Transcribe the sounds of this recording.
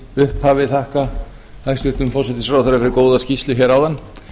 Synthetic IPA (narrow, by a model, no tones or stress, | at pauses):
ʏhphavɪθahka | h̪ajst̪ʏht̪ʏmfɔsɛt̪ɪsfɾawθeɾafɛɾɪkoːwðascist̪ʏçɛɾawðanː